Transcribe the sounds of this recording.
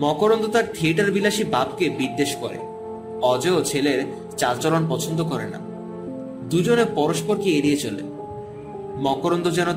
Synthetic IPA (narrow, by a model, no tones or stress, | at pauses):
mɔkoɾond̪ot̪aɾt̪ʰieʈaɾbilaʃibabkebiɾd̪ːeʃkoɾḛ | ɔd͡ʑeot͡ɕʰeleɾ | t͡ɕaɾt͡ɕɔlonpɔt͡ɕʰond̪okɔɾḛna̰ | d̪ud͡ʑoneɾpɔɾoʃpoɾkieɾijet͡ɕolḛ | mɔkoɾond̪od͡ʑɛno